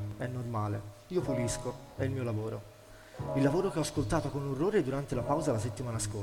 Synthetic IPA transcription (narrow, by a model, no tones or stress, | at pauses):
ɛnːormaːle | iːopulisko | ɛilmiːolavoːɾo | ilːavoːɾokeɔskolt̪aːt̪okonurːoːɾed̪uɾant̪elapawzalaset̪ːimaːnasko